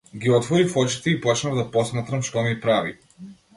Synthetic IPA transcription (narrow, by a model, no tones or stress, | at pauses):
ɡʲiɔt̪vɔɾifɔt͡ʃi̥t̪ɛipɔt͡ʃnavd̪apɔsmat̪ɾɐmʃt̪ɔmipɾavḭ